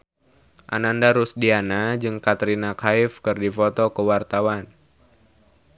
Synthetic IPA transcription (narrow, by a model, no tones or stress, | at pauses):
ʔa̰nandaɾusdianad͡ʒɨŋkat̪ɾinakaɪfkɨrdifɔt̪ɔkəwart̪awan